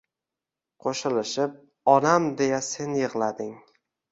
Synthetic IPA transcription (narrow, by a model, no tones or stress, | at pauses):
qʰoʃɪlɪʃɪp̚ | ɒnamd̪e̞jase̞njɨʁlˠad̪ɪŋ